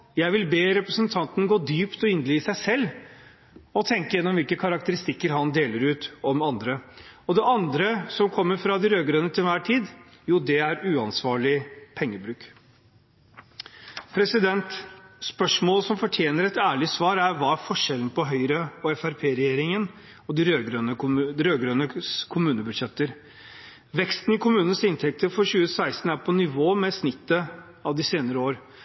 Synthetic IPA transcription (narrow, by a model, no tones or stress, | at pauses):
jæɪʋɪlbeːɾɛpɾəsənt̪ʰɑnt̪n̩ɡoːd̪yːpt̪ɔɪnd̪lɪːsæɪsɛlː | ɔt̪ʰɛŋkəjɛnːɔmʋɪlkəkʰɑɾɑk̚t̪əɾɪst̪ɪkːəɾɦɑnd̪eːləɾʉːt̪ɔmɑnd̪ɾəɔd̪ɛʔɑnd̪ɾəsɔmkʰɔmːəɾfɾɑd̪ɪɾøːɡɾənːət̪ʰɪlʋæːʈʰiːd̪ | juːd̪ɛæɾʉːɑnsʋɑːɭɪpʰɛŋːəbɾʉːk | pʰɾɛsɪd̪ɛnt̪spœʂmoːlsɔmfɔʈʰjeːnəɾɛt̪æːɭɪsʋɑːɾæɾʋɑːæfɔʂɛln̩pɔɦœʏɾəɔɛfæɾpʰeːɾɛjeːɾɪŋən | ɔd̪ɪɾøːɡɾønəɾøːɡɾøːnəkʰʊmʉːnəbʉd̪ʂɛt̪ːəɾ | ʋɛkst̪n̩ɪkʰʊmʉːnənsɪnt̪ʰɛk̚t̪ʰəɾfɔɾɕʉːəsæɪst̪n̩æɾpʰɔnɪʋoːmɛsnɪt̪ːə | ɑʋd̪ɪseːnəɾəoːɾ